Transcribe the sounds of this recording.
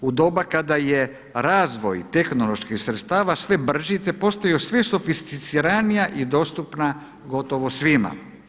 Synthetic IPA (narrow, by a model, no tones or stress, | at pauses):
ud̪o̞bakad̪aje | ɾaːzʋo̞jt̪e̞xnolˠo̞ʃkixsɾet̪st̪aːʋasʋe̞br̩ʒit̪e̞po̞st̪ajosʋesofist̪it̪siɾanijaʔid̪o̞ːst̪upna | ɡo̞t̪o̞ʋo̞sʋima̰